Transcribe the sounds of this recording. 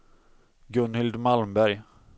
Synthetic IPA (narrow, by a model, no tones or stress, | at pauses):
ɡɵnhɪld̪malmbæɾj